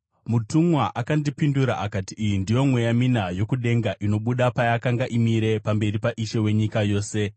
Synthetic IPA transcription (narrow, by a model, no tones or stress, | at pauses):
mutumwaʔakandipinduɾa̰ʔakatiːjindijo̞mwe̞jaminajo̞kuɗe̞ŋɡaʔino̞ɓuɗapajakaŋɡaʔimiɾe̞pambe̞ripaʔiʃe̞we̞ɲikajo̞ːse̞